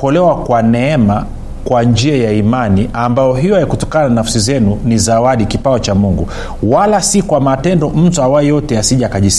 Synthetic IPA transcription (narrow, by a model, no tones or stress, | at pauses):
ɔlɛwakwanɛɛma | kwand͡ʒiajaimaniʔambajɔɦijɔajakutɔkanananafsizɛnunizawaɗikipaɔt͡ʃamuŋɡu | walasikwamatɛndɔm̩tuawaɛjɔtɛasiʄakaʄis